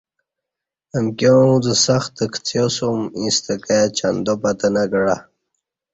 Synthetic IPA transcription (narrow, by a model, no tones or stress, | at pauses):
əmkʲjozəsaxt̪əkʰt͡sʰjosomĩst̪əkajat͡ɕand̪opat̪ənaɡəɽa